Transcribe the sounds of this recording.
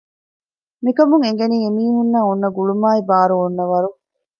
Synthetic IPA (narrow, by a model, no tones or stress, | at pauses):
mikɐmuŋeŋ̆ɡeniːemiːɦunːaːunːɐɡuɭumaːibaːɾuonːɐʋɐɾu